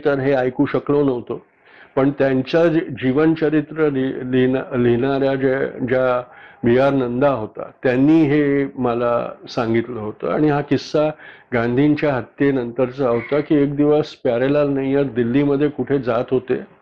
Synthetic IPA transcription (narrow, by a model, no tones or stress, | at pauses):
t̪əɾɦeajkuːɕəklonəʋt̪o | pəɳt̪jaɲt͡ɕjad͡ʑiʋənt͡ɕəɾit̪ɾəlliliɳaɾjad͡ʑed͡ʑjabijaɾnənd̪aɦot̪a̰t̪janːiːɦeməla̰sãŋɡit̪ləɦot̪o̰a̰ɽ̃iɦakisːaɡãnd̪ʱiɲt͡ɕjaɦət̪jenənt̪əɾt͡səɦot̪akiːek̚d̪iʋəspaɾelaɾnaijəɾd̪ilːiməd̪ʱːjekuʈʰed͡zat̪ɦot̪ḛ